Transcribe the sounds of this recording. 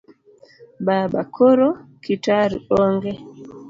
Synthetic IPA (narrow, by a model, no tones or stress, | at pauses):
baːɓakʰɔɾɔkitaɾḭɔŋɡɛ